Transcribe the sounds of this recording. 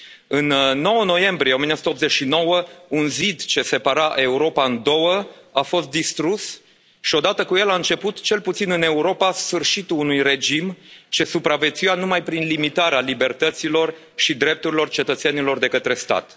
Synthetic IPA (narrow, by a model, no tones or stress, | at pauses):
ɨnːo̞wəno̞je̞mbɾieominosu̥t̪op̪zet͡ʃʃino̞wəunzid̪t͡ʃe̞se̞paɾaʔe̞uɾo̞paɨnd̪o̞wəafo̞st̪̚d̪ist̪ɾus | ʃio̞d̪at̪əkuje̞laɨnt͡ʃe̞put̪t͡ʃe̞lput̪sinɨne̞uɾo̞pasfɨrʃit̪uːnujre̞d͡ʒimt͡ʃe̞supɾave̞t̪sujanumajpɾinlimit̪aɾealibe̞rt̪ət̪silo̞r | ʃid̪ɾe̞p̚t̪uɾilo̞rt͡ʃe̞t̪ət̪se̞nilo̞rd̪e̞kət̪ɾe̞st̪a̰t̪